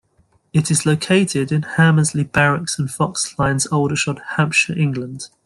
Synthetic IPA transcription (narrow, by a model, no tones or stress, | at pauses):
ɪtʰɪzləʊkʰeɪtʰɪdɪ̃nhaməzlib̥aɹɪksə̃nfɒkslãɪ̃nzoʊlˠdəʃɒd̥hãmpʃəɹʔɪ̃ŋɡlə̃nd̥